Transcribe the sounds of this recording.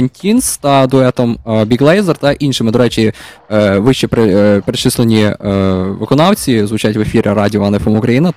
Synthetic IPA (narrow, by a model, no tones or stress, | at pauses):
ɐnʲtʲinst̪ɐd̪ʊɛt̪ɔmbʲiɡlˠɛjzɛrt̪ɛʔinʃɪmɪd̪ɔɾɛt͡ʃʲi | ʋɪʃt͡ʃipɾepɾɪt͡ʃɪslˠenʲi | ʋɪkɔnɑwt͡sʲizʋʊt͡ʃatʲʋefʲiɾʲɾɑdʲiɔɐnɛfɔmʊkɾɐjinɐ